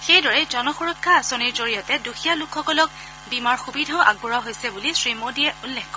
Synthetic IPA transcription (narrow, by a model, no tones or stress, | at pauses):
xejdɔɹɛzɔnɔxuɹɔkʰːaːsoniɹzoɹijɔtɛdoxʰijalukʰxɔkɔlɔk̚ | bimaɹxubidʱaʊʔa̰ɡ̚buɹaɦojsɛbulisɹimodiɛʔulːɛxkːɔ